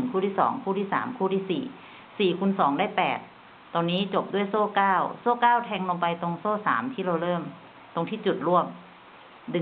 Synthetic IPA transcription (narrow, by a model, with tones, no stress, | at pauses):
ŋkʰuː˥˩t̪ʰiː˥˩sɔ̰ː˩˦ŋkʰuː˥˩t̪ʰiː˥˩sa̰ː˩˦mkʰuː˥˩iː˥˩sḭː˨˩ | siː˨˩kʰu˧nsɔː˩˦ŋdaː˥˩jpɛː˨˩t̪̚ː | ɔː˧nːiː˦˥t͡ɕo˨˩p̚du˥˩əjsoː˥˩kaː˥˩wsoː˥˩kaː˥˩wt̪ʰɛː˧ŋlo˧pa˧jt̪o˧ŋsoː˥˩saː˩˦mt̪ʰiː˥˩ɾa˧wɾɤː˥˩m | t̪o˧ŋt̪ʰiː˥˩t͡ɕu˨˩t̪̚ɾu˥˩əm | dɯ˨˩